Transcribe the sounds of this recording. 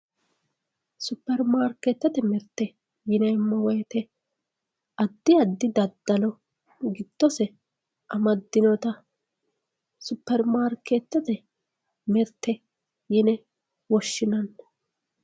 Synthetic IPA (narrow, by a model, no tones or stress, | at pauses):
sʊpːɛɾmaːɾkːeːt̪ːɐt̪ɛmɛɾt̪ːɛ | jɪnɛmːɔwɔjt̪ɛ | ɐd̪ːɪɐd̪ːɪd̪ɐd̪ːɐlɔ | ɡɪd̪̥ːɔsɛ | ʔɐmɐd̪ːɪnɔt̪ɐ | sʊpːɛɾmaːɾkːet̪ːɐt̪ɛ | mɛɾt̪ːɛ | jɪnɛ | wɔʃːɪnɐn